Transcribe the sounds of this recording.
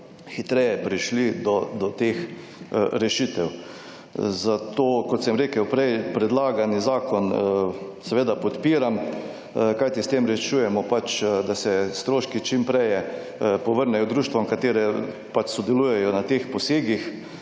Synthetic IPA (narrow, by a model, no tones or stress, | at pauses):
xit̪ɾɛjɛpɾiʃlid̪ɔd̪ɔt̪ex | ɾɛʃit̪ɛw | zat̪oːkɔt̪sɛmɾeːkəwpɾɛjpɾɛd̪laːɡanizaːkɔn | sɛʋeːd̪apɔt̪piːɾam | kajt̪ist̪emɾɛʃujɛmɔpat͡ʃd̪asɛst̪ɾoːʃkit͡ʃimpɾɛjɛ | pɔʋəɾnɛjɔd̪ɾuːʃt̪ʋɔmkat̪eːɾɛ | pat͡ʃsɔd̪ɛlujɛjɔnat̪expɔseːɡix